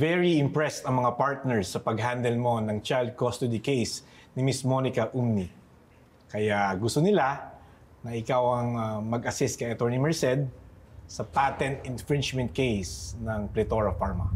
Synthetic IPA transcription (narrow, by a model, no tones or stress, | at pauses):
vɛɹiɪmpɹɛst̪ɐŋmɐŋapaɹt̪̚nɛɹsɐpɐɡ̚ɦand̪ɛlmo̞nɐŋt͡ʃajld̪̚kost̪ʊd̪ikejs | nɪmɪsmonɪkɐʔumni | kɐjaɡʊst̪onɪla | nɐʔɪkawɐŋɐmɐɡɐsɪst̪̚kɐjʔɐt̪oɹnimɛɹsɛd̪̚sɐpat̪ɛ̃nt̪̚ɪnfɹɪ̃nt͡ʃmɛ̃nt̪̚kejsnɐŋplɛt̪oɹɐfaɹmɐ